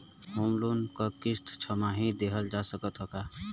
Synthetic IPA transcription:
ɦomlunkəkɪst̪ʰt͡ʃʰəmaɦĩd̪eɦəld͡ʒasəkət̪ɦəka

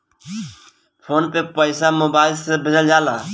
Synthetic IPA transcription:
pʰoːnpeːpəɪsaːmʊbaːɪlseːbʱəd͡ʒəld͡ʒaːlaː

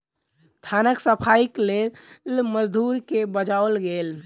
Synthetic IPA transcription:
t̪ʰanəksəpʰaiklelməd͡ʒd̪ʱuɾkebəd͡ʒaolɡel

